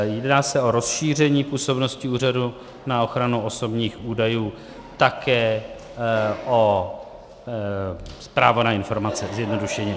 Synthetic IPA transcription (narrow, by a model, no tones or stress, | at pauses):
jɛdnaːsɛo̞ɾo̞sʃiːr̝ɛɲiːpuːso̞bno̞scɪuːradu | nao̞xɾanuʔo̞so̞bɲiːxuːdajuː | t̪akɛː | ʔo | spɾaːvonaɪnfo̞ɾmat͡sɛzjɛdno̞duʃɛɲɛ